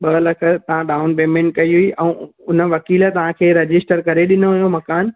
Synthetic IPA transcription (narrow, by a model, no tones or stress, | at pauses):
ɓɐlɐkʰə̆t̪ɐʋ̤ãɗaːʊnpeːmẽɳʈ̚kɐiɦuiʔɛ̃ːʊnə̆ʋɐkiːlt̪ɐʋ̤ãkʰeːɾɐd͡ʑɪsʈəɾkɐɾeɗɪnoɦʊjomɐkaːn